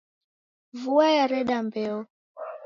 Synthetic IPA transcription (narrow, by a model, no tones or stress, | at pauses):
vuajaɾɛɗambɛɔ